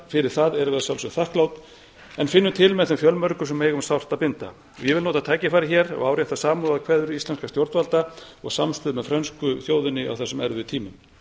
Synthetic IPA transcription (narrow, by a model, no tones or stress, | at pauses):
fɪɾɪɾ̥θaðɛɾʏvɛðsjawlsʏθahklawt̪ | ɛnfɪnːʏt̪ʰɪlmɛðθɛmfjœlmœɾkʏsɛmːejɣʏmsawr̥t̪apɪnt̪a̰ | ɔjɛvɪlnoːt̪at̪ʰaːjcɪfaːjɾɪçɛːɾɔ̰ɣawɾjɛht̪asaːmuaðkʰvɛːðʏɾist̪ɛnskast̪jowɾt̪valt̪aɔɣsamst̪ɪðmɛðfɾœnskʏθjoːwðʏnːɪʔa̰wθɛsːɛmɛɾðʏt̪ʰiːmʏm